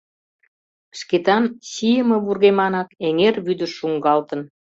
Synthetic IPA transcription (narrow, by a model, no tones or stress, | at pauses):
ʃket̪ɑnɕijəmə̆βurɣemɑnɑkeŋerβyd̪ə̆ʃuŋɡɑlt̪ən